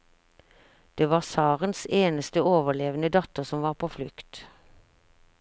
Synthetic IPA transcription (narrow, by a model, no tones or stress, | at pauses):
d̪̥eːʋɑːʁsɑːʁənseːnəst̪əoːʋəʁleːʋənəd̪ɑt̪əʁsɔmʋɑːʁpʰoːflʉkt̪